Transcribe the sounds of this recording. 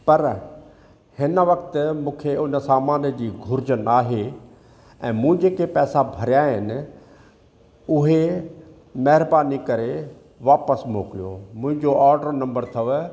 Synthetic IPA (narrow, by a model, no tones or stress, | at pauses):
pɐɾ | hɪnəʋɐkt̪mũːkʰeʊnəsaːmaːnjəd͡ʑiːɡʱʊɾɪd͡ʑənaːɦe | ɛ̃ːmũd͡ʑeːkepɛːsabʱɐɾjaːɦɪnɪ̆ | ʊɦe | mɐɦɪɾbaːnikɐɾe | ʋaːpəsmoːkijo̰mʊ̃ɦɪ̃ɲd͡ʑoʔaːɾɖəɾnɐ̃mbəɾt̪ʰɐʋ